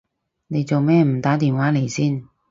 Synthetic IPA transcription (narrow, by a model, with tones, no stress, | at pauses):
ne˨˧jt͡so˨wmɛː˥m̩˨˩t̪aː˨˥t̪iː˨˧nwaː˨˥le˨˩jsiː˥˩n